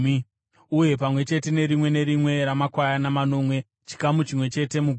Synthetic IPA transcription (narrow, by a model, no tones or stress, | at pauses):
uje̞pamwe̞t͡ʃe̞te̞ne̞ɾimwe̞ne̞ɾimwe̞ɾamakwajanamano̞ːmwe̞ | t͡ʃi̥kamut͡ʃimwe̞t͡ʃe̞te̞muɡʱ